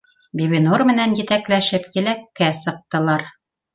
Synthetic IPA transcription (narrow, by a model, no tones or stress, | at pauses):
bʲiβinoɾmɘ̆nænjɘ̆t̪æklæʃɘpjɘ̆lækːæsɤ̆q̚t̪ɤ̆lˠɑɾ